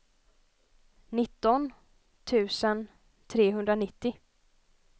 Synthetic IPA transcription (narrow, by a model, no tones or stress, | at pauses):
nɪt̪ːɔn | t̪ʰʉ̟ːsən | t̪ʰɾeːɦɵnd̪ɾanɪt̪ːɪ